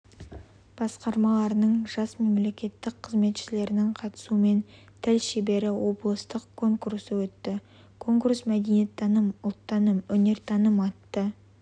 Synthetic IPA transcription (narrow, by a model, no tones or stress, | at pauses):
b̥ɑsqɑɾmɑlˠɑɾənəɴʒɑsme̞mle̞kʲe̞t̪ːɪk̚qʰːəzme̞t̪ʃɪle̞ɾɪnɪŋqʰɑt̪ə̥sume̞n | t̪ʰælʃebe̞ɾɪwo̞blˠəst̪əqkʰːo̞ŋkuɾsəwɵt̪ːɪ | kʰo̞ŋkursmæd̪enet̪ʰːɑnəmʊlˠt̪ːɑnəmwɵne̞ɾt̪ʰɑnəmɑt̪ːə